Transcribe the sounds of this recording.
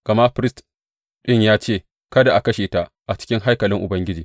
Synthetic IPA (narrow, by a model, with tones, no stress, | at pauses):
ɡ̥ɐ˨ma˦ʔɸɾɪ˦st | ɗɪ˦˨ɲjaː˦t͡ʃeː˦˨ | kɐ˦da˨ʔa˨kɐ˦ʃeː˨ta˨ʔ | ʔa˨t͡ʃɪ̥˦kʲɪ˦ŋɦa˦jkɐ˨lɪ˦ŋʔʊ˨bɐ˦ŋɡʲɪ˦d͡ʒiː˨